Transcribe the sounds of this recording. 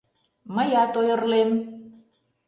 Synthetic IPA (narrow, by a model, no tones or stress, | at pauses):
mə̆jɑt̪ojɤ̆rlem